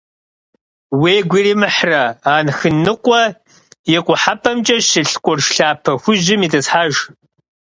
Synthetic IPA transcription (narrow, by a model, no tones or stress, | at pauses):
weːɡʷiɾiːmɨħrɐaːnxɨnɨqʷʼɔ | jɛqʷʼʊħapʰɐmt͡ʃʼɐʃɪɬkʷʼɔrʂɬaːpʰɐxʷʊʑɪmiːtɐsħaːʒ